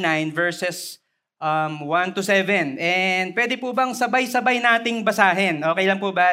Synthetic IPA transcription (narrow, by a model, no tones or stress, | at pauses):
najnvɛɹsɛs | ʔɐmwant̪ʊsɛvɛnɛnd̪̚pwɛːd̪ɪpubɐŋsɐbajsɐbajnaːt̪ɪŋbɐsaːɦɛnʔoːkɛjlɐŋpubɐ